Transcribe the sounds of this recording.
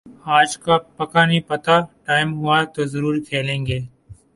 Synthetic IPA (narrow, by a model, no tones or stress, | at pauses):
aːd͡ʒkapɐkanəĩːpət̪aʈaːɪmɦʊat̪oːzəɾuːɾkʰeːlẽːŋɡeː